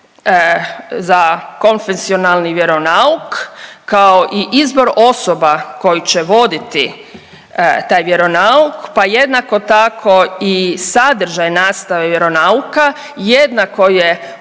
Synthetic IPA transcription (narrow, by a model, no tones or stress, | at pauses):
zako̞nfensio̞nalˠniʋje̞ɾo̞naukkaoʔiʔizbo̞ɾo̞so̞bako̞jit͡ɕeʋo̞d̪it̪i | t̪aːjʋjeɾo̞naukpaje̞d̪nako̞t̪akʰo̞isad̪ɾ̩ʒajnaːst̪aʋeʋjeɾo̞nauka | jed̪nako̞je